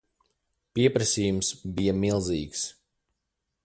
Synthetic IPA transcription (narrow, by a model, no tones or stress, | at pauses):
piɛpɾesʲiːjumsbijɐmilˠziːks